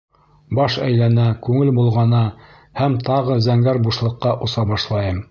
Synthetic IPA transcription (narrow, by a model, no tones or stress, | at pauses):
bɑʃæ̰jlænækʉŋɘlbulˠʁɑnɤ | hæmt̪ɑʁɤzæŋɡæɾbuʃlˠɤ̆qːɑʔŏsɑbɑʃlˠɑjɤm